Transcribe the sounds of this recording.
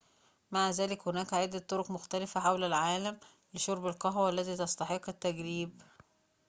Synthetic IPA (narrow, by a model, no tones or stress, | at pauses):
maʕzæːlɪkhonæːkʕed̪ːæt̪ːoɾoqmoxt̪ælɪfæħawlælʕaːlæm | lɪʃoɾˤbelqɑɦwælːæt̪iːt̪ɑst̪ˤɑħeqːɪt̪ːæɡɾiːb